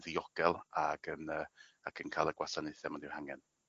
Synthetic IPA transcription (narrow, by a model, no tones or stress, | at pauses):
ðiɔɡ̥ɛlˠaɡ̥ənəːakʰənkʰajlˠəɡwasanɪθɛmɔndɪwhaŋɛn